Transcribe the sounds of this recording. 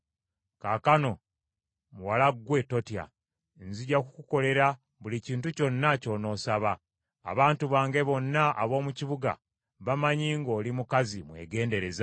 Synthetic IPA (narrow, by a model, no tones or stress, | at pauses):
kakano̞ | muwalaɡwe̞to̞tija̰ | nziɟakukuko̞le̞ɾa | βuliciːntuco̞nːaco̞no̞ːsaβa̰ː | βaːntuβaːŋɡe̞βo̞nːaʔa̰βo̞ːmuciβuɡa̰ | βamaɲiːŋɡo̞ːlimukazimwḛːɡe̞ːnde̞ɾe̞za